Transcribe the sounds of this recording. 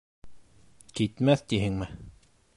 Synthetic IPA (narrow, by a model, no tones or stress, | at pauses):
kit̪mæθt̪iɦɘŋmɘ